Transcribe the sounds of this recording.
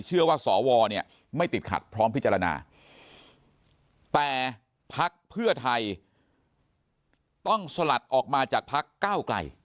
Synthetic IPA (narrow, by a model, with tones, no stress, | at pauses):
t͡ɕʰɯ˥˩ɐwaː˥˩sɔː˩˦wɔː˧ni˥˩ə | ma˥˩jt̪i˨˩t̪̚kʰa̰˨˩t̪̚pʰɾɔː˦˥mpʰi˦˥t͡ɕːa˧a˧na̰ː˧ | t̪ɛː˨˩ | pʰa˦˥k̚pʰɯ˥˩ɐt̪ʰa˧j | t̪ɔ˥˩ŋsa˧la˨˩t̪̚ʔɔː˨˩k̚maː˧t͡ɕaː˨˩k̚pʰa˦˥kːaː˥˩wkla̰˧j